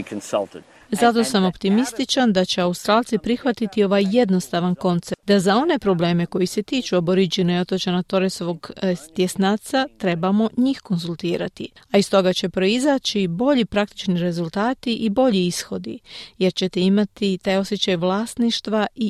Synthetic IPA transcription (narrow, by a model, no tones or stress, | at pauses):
kʰnsɐ̰lˠtɪd̥ | zat̪o̞samo̞pt̪imist̪it͡ʃand̪at͡ɕe̞aust̪ɾaːlˠt̪sipɾixʋat̪it̪io̞ʋajːe̞d̪no̞st̪aʋanko̞nt̪sed̪azao̞ne̞pɾo̞ble̞ːme̞ko̞jise̞t̪iːt͡ʃuabo̞ɾid͡ʑinojo̞t̪ot͡ɕanat̪o̞ɾesoʋo̞ɡt̪je̞snaːt̪sat̪ɾe̞bamo̞ɲiːxko̞nzulˠt̪iːɾat̪iaist̪o̞ɡat͡ɕe̞pɾo̞izaːt͡ɕibo̞ʎipɾak̚t̪i̥t͡ʃniɾe̞zulˠt̪aːt̪iʔibo̞ʎiisxo̞d̪ḭje̞ɾt͡ɕe̞t̪eimat̪it̪aːjo̞sje̞t͡ɕajʋlaːsniʃt̪ʋai